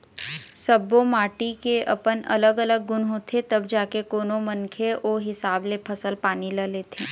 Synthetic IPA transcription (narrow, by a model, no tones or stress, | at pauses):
səbomaːʈikeʔɐ̰pənɐ̰ləɡələɡ̚ːʊnɦoːt̪ʰet̪ɐbd͡ʒaːkekoːnomənkʰeʔoːɦɪsaːblepʰɐsəlpaːniləleːt̪ʰeː